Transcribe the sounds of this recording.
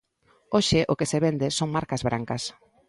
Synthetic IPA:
oʃɪʔʊkeseβend̪esoŋmaɾkɐzβɾaŋkɐs

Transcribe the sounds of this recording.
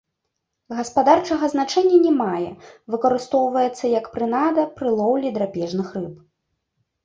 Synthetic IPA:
ɣɐspad̪art͡ʂɐɣɐznat͡ʂɛnʲːɐnʲɛmajɛ̰vɨkɐɾɨst̪ɔwvɐjɛt̪sːɐjɐkpɾɨnad̪ɐpɾɨlˠɔwlʲid̪ɾapʲɛʐnɨxrɨp̚

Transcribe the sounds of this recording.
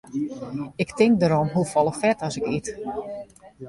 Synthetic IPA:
ɪktɪŋk̚dəɾɔmɦufɔlˠəxfɛtɔsɪkit

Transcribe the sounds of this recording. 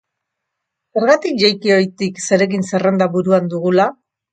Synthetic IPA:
se̞ɾɣat̪ik̚ʝajkio̞jt̪ikse̞ɾe̞kinse̞re̞nd̪aβuɾuand̪uɣula

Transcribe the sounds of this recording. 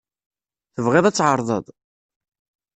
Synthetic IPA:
θəvʁɪðˤæt͡sːʕəɾˤðˤə̰ðˤ

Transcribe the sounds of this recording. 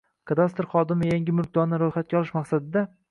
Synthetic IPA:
kʰad̪ast̪ɾχɒd̪ɪmɪjaŋʲɪmʊɾk̚ʲd̪ɒɾnɪɾojχat̪̚kʲaɒlˠɪʃmaqsad̪ɪd̪a

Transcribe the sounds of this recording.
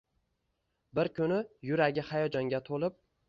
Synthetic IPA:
bɪɾkʲʰʊnɪjʊɾaɡʲɪhajɒd͡ʒɒŋɡʲat̪ʰolˠɪp̚

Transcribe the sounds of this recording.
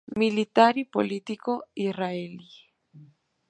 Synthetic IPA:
milit̪aɾipo̰lit̪ikoiraeli

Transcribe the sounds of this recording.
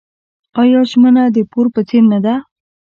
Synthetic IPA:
ɑjɑʒmənad̪əpoɾpət͡seɾnad̪a

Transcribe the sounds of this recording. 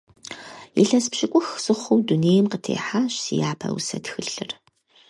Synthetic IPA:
jḭɬɐspɕɪkʷʼʊxsɨχʷʊwduneːjmqətʰḛːħaːɕsijaːpʰɐ̰wʊ̰sɐtxɨɬɨr

